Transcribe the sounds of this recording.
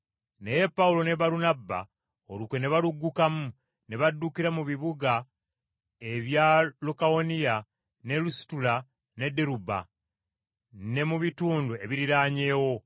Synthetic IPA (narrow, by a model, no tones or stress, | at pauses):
neje̞pːawulo̞ne̞βaɾunabːa̰ | olukwe̞ne̞βaluɡːukamu | ne̞βadːukiɾamuβiβuɡa | e̞βjalukaonija | ne̞lusi̥tula | ne̞deɾuba̰ | ne̞muβituːndue̞βiɾiɾaːɲe̞ːwo̞